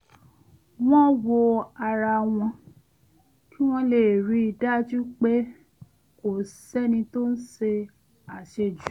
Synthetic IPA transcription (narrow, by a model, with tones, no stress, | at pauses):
w̃ɔ̃˦wo˧a˧ɾa˧w̃ɔ̃˧ | ki˦w̃ɔ̃˧le˨ɾi˨˦i˧da˦d͡ʒu˦k͡pe˦ | o˨sɛ˦nĩ˧to˦n̩˦ʃe˧ | a˨ʃe˧d͡ʒu˨˦